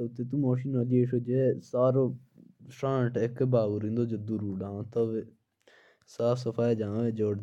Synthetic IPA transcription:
ʊt̪ːeːt̪̬ũːmoːʃiːnaːd͡ʒieːʃoːd͡ʒesaːɾo | ʃãːɳʈɪkbaːɡuɾĩːnd̪oːd͡ʒəd̪uɾuːɖãːt̪əʋe | saːfʰsəpʰaːid͡ʒãːeːd͡ʒoːɽ

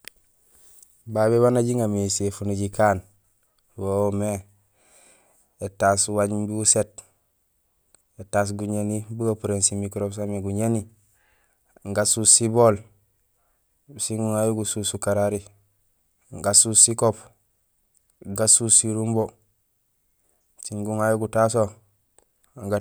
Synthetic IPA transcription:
baβeβanaɟiŋamisefuniɟikaːn | wome | etaswaɲbiuset | etaːs̬ɡuɲenibuɡapuɾensimikɾops̬ameɡuɲeni | ŋɡasusibol | siŋɡuŋajuɡususukaɾaɾi | ŋɡasusikop | ɡasusiɾumbo | siŋɡuŋajuɡutas̬o | ŋɡa

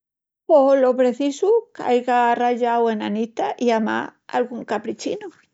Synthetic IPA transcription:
polopɾe̞θisuka̰jɣaːraʎawe̞nanit̪aʔiama̰a̰lɣuŋkapɾit͡ʃinu

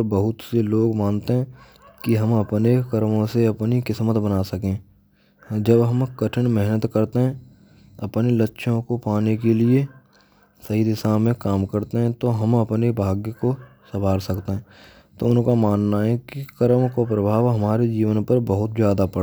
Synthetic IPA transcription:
ɾbəɦʊt̪seloːɡmaːnt̪eɦɛ̃ | kiɦɐmɐpnekəɾmõseɐpnikɪsmət̪bənaːsɐkẽː | d͡ʒəbɦɐmkəʈʰənmɛɦnət̪kəɾt̪eɦɛ̃ | ɐpnelətːʃʰõkopaːnekelie | sɐɦid̪ɪsaːmẽkaːmkəɾt̪eɦɛ̃t̪oɦɐmɐpnebʱaːɡjəkosɐbʱaːɾsɐkt̪eɦɛ̃ː | t̪oʊnkamaːnːaɦɛkikəɾmkopɾəbʱaːʋɦɐmaːɾed͡ʒiːʋənpəɾbəɦʊt̪zjaːd̪apəɽ

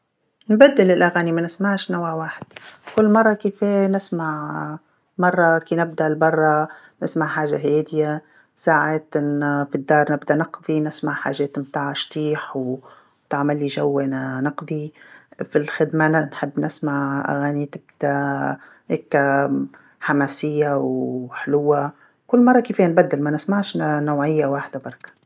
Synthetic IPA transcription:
nbad̪ːɪlɪlʔaɣaːnimanɪsmaʕʃnawʕwaːħɪd̪̥kʊlːmɑrˤːɑkeːfeːnɪsmaʕ | mɑrˤːɑkiːnɪb̚d̪aʔlbɑrˤːɑ | nɪsmaʕħaːʒaɦeːd̪ɪja | saːʕeːt̪ʔɪnːfid̪ːɑːɾˤnɪbd̪aʔnɪqd̪ˤinɪsmaʕħa̰ːʒːeːt̪mt̪aːʕaʃt̪iːħw | t̪aʕmalːiʒawːenanɪqd̪ˤifilxɪd̪mananħɪbːnɪsmaʕʔa̰ɣaːnit̪ɪbd̪a | heːkːa | ħamaːsɪjːawħɪlʊwːa | kʊlːmɑrˤːɑkiːfiːanbad̪ːɪlmanɪsmaʕʃnoːʕɪjːawaːħd̪abɑɾˤɑkḁ

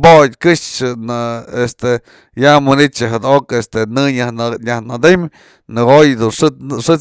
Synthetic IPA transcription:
bodʲkɨʂt͡ʃɨnɨest̪e | jamɨnit͡ʃɨɦɨd̪okest̪enɨɲɲahnad̪em | nɨɡojd̪unʂʂɨ

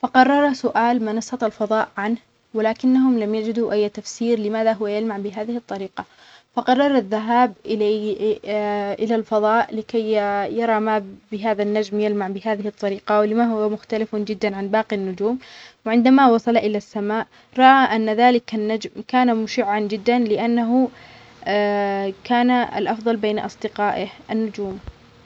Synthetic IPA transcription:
fɑqɑrˤːɑɾˤsʊʔaːlmanɑsˤɑt̪ˤɑlfɑðˤɑːʔʕanh | wɪlaːkɪnːaɦʊmlamjad͡ʒɪd̪uʔajːt̪afsiːɾlɪmaːðaɦʊwajalmaʕbɪɦaːðɪhɨt̪ˤːɑɾiːqɑ | fɑqɑrˤːɑɾˤaðːaɦaːbʔɪ | ʔɪlalfɑðˤɑːʔlɪkajjɑɾˤɑmabɪɦaːðanːad͡ʒmjalmaʕbɪɦaːðɪhɨt̪ˤːɑɾiːqɑwlɪmaɦʊwamʊxt̪alɪfd͡ʒɪd̪ːanʕanbɑːqinːʊd͡ʒuːmwɪʕɪnd̪amawɑsˤɑlʔɪlasːamaːʔ | ɾˤɑʔaʔanːaðaːlɪkanːad͡ʒmkaːnamʊʃɪʕːand͡ʒɪd̪ːanlɪʔanːaɦʊ | kaːnaa̰lʔɑfðˤɑlbeːnaʔɑ̰sˤd̪ɪqaːʔɪhʔanːʊd͡ʒuːm

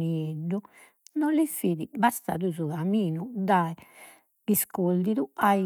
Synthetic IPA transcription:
nieɖːu | nɔlifiðibast̪a̰ːðuzuɣamiːnud̪aɛ | iskold̪iðuai

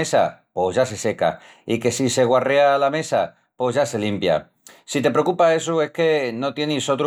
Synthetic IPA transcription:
esa̰po̞zʝase̞se̞ka̰ | ike̞sise̞ɣware̞alame̞sa | po̞zʝase̞limpja̰ | sit̪e̞pɾeokupae̞s̬ue̞hke̞no̞t̪je̞niso̞t̪ɾ

